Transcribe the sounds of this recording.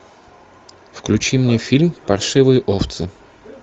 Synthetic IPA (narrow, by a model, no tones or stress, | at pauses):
fklʲʉt͡ɕimnʲefʲilʲmpɐrʂɨvɨjəʔoft̪sɨ